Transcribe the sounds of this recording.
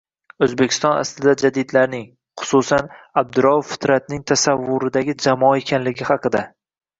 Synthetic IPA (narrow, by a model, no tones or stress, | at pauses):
ɵzbekʲʰɪ̥st̪ɒ̃na̰slɪd̪ad͡ʒad̪id̪laɾnɪŋ | χʊ̥susanab̚d̪ʊɾɒffɪ̥t̪ɾat̪̚nɪŋt̪ʰasavːʊɾɪd̪aɡʲɪd͡ʒamɒe̞kʲʰanlɪɡʲɪhɑqɨd̪a